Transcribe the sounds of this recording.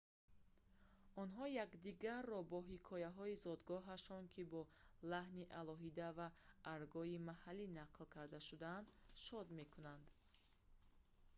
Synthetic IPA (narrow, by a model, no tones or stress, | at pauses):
ɔnɦɔjakd̪iɡaɾːɔbɔɦikʰɔjaɦɔizɔd̪ɡɔɦaʃɔŋkʰibɔlahniʔalɔɦid̪avaːɾɡɔimahalːinaqlkʰaɾd̪aʃud̪aand̪ʃɔd̪me̞kʰunand̪